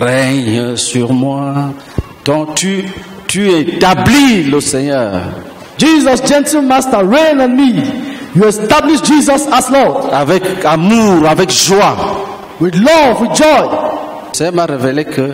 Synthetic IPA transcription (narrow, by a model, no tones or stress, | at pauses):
ʁɛɲsyʁmwa | d̪̥ɔ̃t̪y | t̪yɛ̃t̪abliləsɛɲœːʁ | d͡ʒizɔsd͡ʒɛ̃ntilmastəɹẽnɔ̃nmijuɛstabliʃd͡ʒizɔsaslɔdavɛkamuʁavɛkʒwa | widlɔvwid͡ʒɔj | sɛmaʁevelekʰə